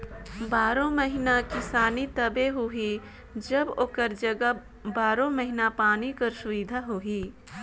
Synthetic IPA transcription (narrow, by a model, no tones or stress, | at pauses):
baːɾõməɦɪnakɪsaːnit̪ɐbeɦuɦi | d͡ʒɐboːkəɾd͡ʒɐɡə | baːɾõməɦinapaːnikɐɾsʊʋɪd̪ʱaɦuiː